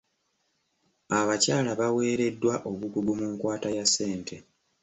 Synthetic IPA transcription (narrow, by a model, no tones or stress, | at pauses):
aβacaːlaβawe̞ːɾe̞dːwaʔo̞βukuɡumuŋkwaːtajasːe̞ːntʰe̞